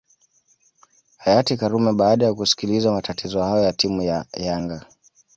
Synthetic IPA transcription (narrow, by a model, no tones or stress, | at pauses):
hajatikaɾumɛɓaːɗajakusi̥kilizamatatizɔhajɔjatimujajaŋɡa